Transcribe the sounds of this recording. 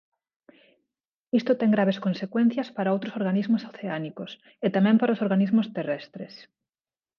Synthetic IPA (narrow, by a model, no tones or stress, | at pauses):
ist̪ot̪ɛŋɡɾaβeskonsekwẽn̟θjɐspaɾaowt̪ɾosoɾɣanizmosaθeanikos | et̪amɛ̃mpaɾaosoɾɣanizmost̪erɛst̪ɾḛs